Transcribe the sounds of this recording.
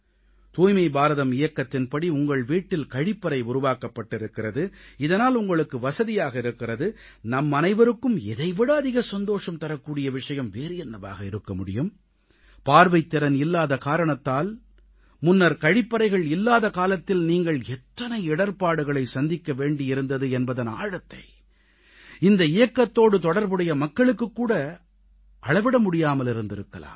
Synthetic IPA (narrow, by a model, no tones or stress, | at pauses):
t̪uːjmɐɪbaːɾɐðɐmɪjɐkːɐt̪ːɪnpɐɽiʊŋɡɐɭʋiːʈːɪlkɐɻɪpːɐɾɐɪʊɾʊʋaːkɐpːɐʈːɪɾɯkːɪɾɐðɯɪðɐnaːlʊŋɡɐɭɯkːɯʋɐsɐðɪjaːɣɐɪɾɯkːɪrɐðɯ | nɐmːɐnɐɪʋɐɾɯkːɯmɛ̰ðɐɪʋɪɽaːðɪɣɐsɐnd̪oːʂɐmt̪ɐɾɐkːuːɽɪjɐʋɪʂɐjɐmʋeːɾɪjɛnːɐʋa̰ːɣɐɪɾɯkːɐmʊɽɪ̰jɯm | paːɾʋɐɪt̪ːɪɾɐnɪlːaːðɐkaːɾɐɳɐt̪ːaːl | mʊnːɐɾkɐɻɪpːɐɾɐɪɣɐɭɪlːaːðɐkaːlɐt̪ːɪlniːŋɡɐɭɛt̪ːɐnɐɪɪɽɐɾpaːɽɯɣɐɭɐɪsɐnd̪ɪkːɐʋeːɳɖɪɪɾɯnd̪ɐðɯɛnbɐðɐna̰ːɻɐt̪ːɐ̰ɪ | ɪnd̪ɐɪjɐkːɐt̪ːoːɽɯt̪ɔɽɐɾbɯɽɐjɐmɐkːɐɭɯkːɯkːuːɽɐ | ʔɐɭɐʋɪɽɐmʊɽɪjaːmɐlɪɾɯnd̪ɪɾɯkːɐ̰la̰ːm